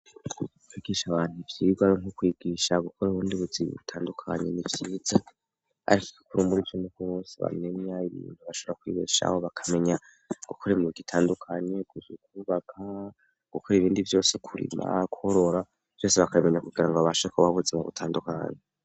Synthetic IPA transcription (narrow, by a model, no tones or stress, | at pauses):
kwiːɡiʃaβaːnhuvjiːɡwaoŋhukwiːɡiːʃaɡukʰoɾuβuːndiβuziβḭβutʰaːndukʰa̰ɲe̞̰nivjiːza | a̰ɾiki̥ki̥kuɾumuɾionekuβoseβa̰me̞ɲaiβḭːnthuβaʃoβoɾakwḭβiʃa̰hoβakʰame̞ɲa | ɡ̥ukʰoɾimuɾiɡitʰaːndukʰaɲe̞ɡuzukʰuβakʰa | ɡ̥ukʰoɾiβiːndivjo̞ːsekʰuɾḭma̰ɡuhoɾo̞ɾa | v̥jo̞ːseβakaime̞ɲakuɡiɾaŋɡoaβaʃoekʰoβaβuzimaɡṵtʰaːnduka̰ɲe